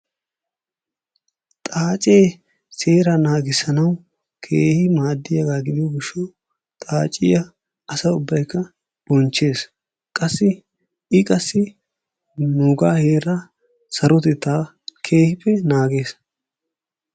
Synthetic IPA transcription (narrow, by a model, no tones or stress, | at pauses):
t̪ʼaːt͡ʃʼeː | seːɾɐnaːɡɪsɐnɐw | kʰeːhɪmaːd̪ːɪjɐɡaːɡɪd̪ɪjɔɡɪʃːɔ | t̪ʼaːt͡ʃʼɪjɐ | ɐsɐʊbːɐjkːɐ | b̥ɔnt͡ʃːe̞ːs | kʼɐsːɪ | ɪkʼɐsːɪ | nuːɡaːhe̞ːɾɐ | sɐɾɔt̪ɪt̪ːaː | kʰe̞ːhɪpːɛnaːɡe̞ːs